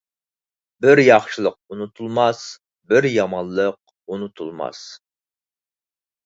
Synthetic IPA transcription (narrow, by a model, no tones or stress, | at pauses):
bɪɾjɑχʃɨlˠəq̚unut̪ʰulˠmɑs | bɪɾjɑmɑnlˠːəq̚ | unut̪ʰulˠmɑ̰s